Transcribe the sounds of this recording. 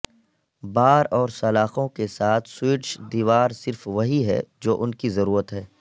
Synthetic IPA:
baːɾɔːɾsɐlaːxõkesaːt̪ʰswiːʈʃd̪iːʋaːɾsɪɾfʋɐɦiɦɛ̰ːd͡ʒoːʔʊnkizɐɾuːɾət̪ɦɛː

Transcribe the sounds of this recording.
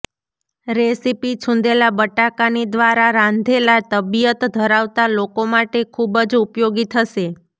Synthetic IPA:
ɾesipit͡ʃʰũnd̪elabəʈakanid̪ʋaɾaɾãnd̪ʱelat̪əbijət̪d̪ʱəɾaʋt̪alokomaʈekʰubd͡ʒupjoɡit̪ʰəʃe

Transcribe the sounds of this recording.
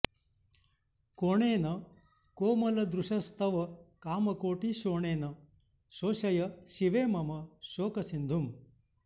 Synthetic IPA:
koɳeːnɐ | koːmɐlɐd̪ɾuʂɐst̪ʰɐʋɐkaːmɐkoːʈiʃoːɳeːnɐ | ʃoːʃɐjɐʃiʋeːmɐmɐʃoːkɐsind̪ʱum

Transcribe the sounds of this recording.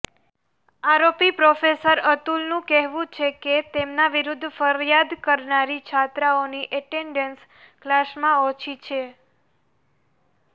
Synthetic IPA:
aɾopipɾofesəɾət̪ulnũkɛɦʋũt͡ʃʰeket̪emnaʋiɾʊd̪ʱːfəɾjad̪kəɾnaɾit͡ʃʰat̪ɾaoniʔəʈeɳɖəns | klasmãot͡ʃʰit͡ʃʰe

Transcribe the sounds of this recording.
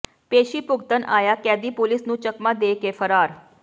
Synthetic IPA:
peːʃiːpʊɡt̪ənʔaːjaːkɛːd̪iːpʊlɪsnũːt͡ʃəkmãːd̪eːkeːfʰəɾaːɾ

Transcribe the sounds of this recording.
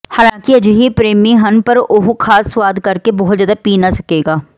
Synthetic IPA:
haːlãːkiɐd͡ʒɦipɾeːmĩɦɐnpəɾʊɦokʰaːsːwaːd̪kɐɾkebɔɦʊt̪zjaːd̪apiːnasɐkeːɡaː

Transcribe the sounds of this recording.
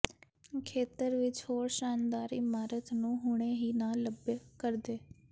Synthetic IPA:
kʰeːt̪əɾʋɪt͡ʃhoːɾʃaːnd̪aːɾɪmaːɾət̪nũːɦʊɽ̃eːɦiːnaːləbkəɾd̪eː

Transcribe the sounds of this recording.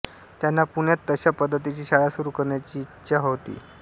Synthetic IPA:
t̪janːapuɳjat̪ːəɕapəd̪ʱːət̪̬it͡ɕiːɕaɭasuɾuːkəɾɳjat͡ɕiːtːɕaɦot̪ḭː

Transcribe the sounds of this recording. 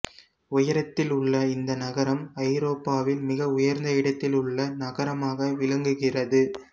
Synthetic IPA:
ʊjɐɾɐt̪ːɪlʊɭːɐɪnd̪ɐnɐɣɐɾɐmɐɪɾoːpːaːʋɪlmɪɣɐʊjɐɾnd̪ɐɪɽɐt̪ːɪlʊɭːɐnɐɣɐɾɐmaːɣɐʋɪlɐŋɡɯɣɪrɐðɯ

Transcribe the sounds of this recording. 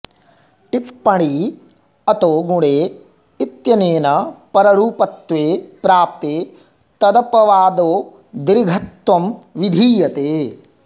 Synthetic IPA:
tipːɐɳi | ɐt̪oːɡuɽeː | it̪jɐneːnɐpɐɾɐɾuːpɐt̪ʋeːpɾaːp̚t̪eː | t̪ɐd̪ɐpɐʋaːd̪oː | d̪ɾiɡʱɐt̪ʋɐmʋid̪ʱiːjɐt̪eː

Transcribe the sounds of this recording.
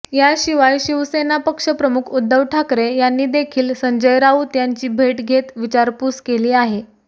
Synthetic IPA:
jaɕiʋajɕiʋsenapəkʂəpɾəmukʰud̪ʱːəʋʈʰakɾejanːiːd̪ekʰiːlsəɲd͡ʑəjɾaut̪jaɲt͡ɕiːbʱeʈɡʱet̪ʋit͡ɕaɾpuːskeliːaɦe

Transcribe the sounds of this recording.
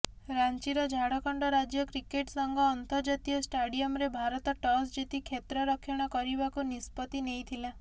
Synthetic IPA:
ɾant͡ʃiɾɔd͡ʒʱaɽɔkɔɳɖɔɾad͡ʒjɔkɾikeʈsɔŋɡʱɔːnt̪ɔɾd͡ʒat̪ijɔsʈaɽijɔmɾebʱaɾɔt̪ɔʈɔs̬d͡ʒit̪ikʰet̪ɾɔɾɔkʰːjɔɽ̃ɔkɔɾibakunispɔt̪inejt̪ʰila

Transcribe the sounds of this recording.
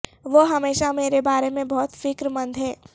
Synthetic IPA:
ʋoːɦɐmeːʃameːɾebaːɾemẽbɔɦt̪fɪkɾmɐ̃nd̪ʱɦɛː

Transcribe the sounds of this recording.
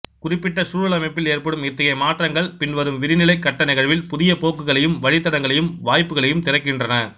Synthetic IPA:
kʊrɪpːɪʈːɐsuːɻɐɭɐmɐɪpːɪleːrpɐɽɯmɪt̪ːɐjɐmaːʈrɐŋɡɐɭpɪnʋɐɾɯmʋɪɾɪnɪlɐɪkːɐʈːɐnɪɣɐɭʋɪlpʊðɪjɐpoːkːɯɣɐɭɐjɯmʋɐɻɪt̪ːɐɽɐŋɡɐɭɐjɯmʋaːjpːɯɣɐɭɐjɯmt̪ɪɾɐkːɪndrɐnɐ

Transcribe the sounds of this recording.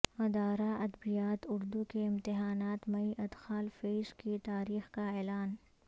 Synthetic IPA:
ɐd̪aːɾaɐd̪bijaːt̪ʊɾd̪ukeɪ̃mt̪ɪɦaːnaːt̪mɐiʔɐd̪xaːlfeːʃkit̪aːɾiːxkaɛːlaːn

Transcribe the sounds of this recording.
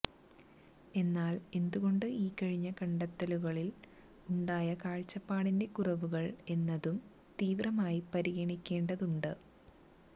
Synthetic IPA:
e̞nːaːle̞nd̪uɣo̞ɳɖɨiːkɐɻiɲːɐkɐɳɖɐt̪ːɐluɣɐɭil | uɳɖaːjɐkaːɻt͡ɕːɐpːaːɽinde̞kurɐʋuɣɐɭe̞nːɐðum | t̪iːʋrɐmaːjipɐɾiɣɐɳikʲːe̞ːɳɖɐðuɳɖɨ

